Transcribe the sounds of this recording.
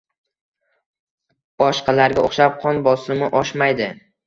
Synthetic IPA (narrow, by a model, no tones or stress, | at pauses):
b̥ɒʃqʰɑlaɾɡʲaoχʃap̚qʰɒnbɒsɾɪmɪʔɒʃmajd̪ɪ